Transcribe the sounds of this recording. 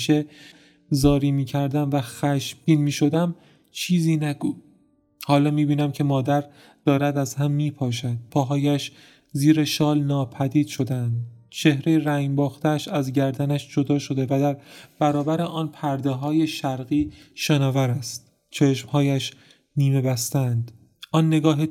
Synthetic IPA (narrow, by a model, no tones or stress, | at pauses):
ʃe | zɒːɾiːmiːcʰæɾd̪æmvæxæʃbiːnmiːʃo̞d̪æm | t͡ʃʰiːziːnæɡu | hɒːlɒːmiːbiːnæmcʰe̞mɒːd̪æɾ | d̪̥ɒːɾæd̪æzɦæmːiːpʰɒːʃ̬æd̪̥̚pʰɒːɦɒːjæʃ | ziːɾeʃɒːlnɒːpʰæd̪iːd̪̥ʃo̞d̪eænd̪t͡ʃʰe̞hɾejeɾæjbɒːxt̪eæʃæzɟæɾd̪ænæʃd͡ʒod̪ɒːʃo̞d̪e̞væd̪æɾb̥æɾɒːbæɾeʔɒːnpʰæɾd̪eɦɒːje̞ʃæɾɣiːʃenɒːvæɾæst̪̚ | t͡ʃʰeʃmhɒːjæʃ | niːme̞bæst̪ænd̪̥ | ʔɒːnːe̞ɡɒːɦe